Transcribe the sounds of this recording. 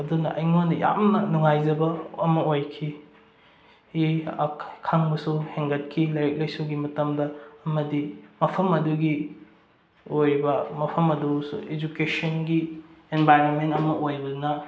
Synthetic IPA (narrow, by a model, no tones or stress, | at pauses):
ɐdunɐ̰ʔɐjŋonɐja̰mnɐnuŋajzɐbɐɐmɐojkʰi | hi | kʰaŋbɐsuheŋɡɐt̚kʰilajɾɐk̚lɐjsuwɡimɐtɐmdɐːmɐdimɐpʰɐmɐduɡi | ojɾibɐmɐpʰɐmɐdusṵed͡ʒukesɐnɡienbajɾonmentɐmɐʔojbɐdunɐ